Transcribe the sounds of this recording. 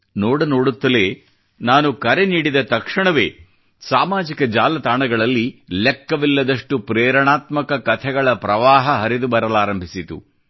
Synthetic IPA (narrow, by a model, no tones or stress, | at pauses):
noːɽɐnoːɽut̪ːɐleː | naːnukɐɾeniːɽid̪ɐt̪ɐkʂɐɳɐʋe̞̰ː | saːmaːd͡ʒikɐd͡ʒaːlɐt̪aːɳɐɡɐɭɐlːilɛkːɐʋilːɐd̪ɐʂʈupɾɛːɾɐɳaːt̪mɐkɐkɐt̪ʰɛɡɐɭɐpɾɐʋaːɦɐɦɐɾid̪ubɐɾɐlaːɾɐmbʱisit̪ṵ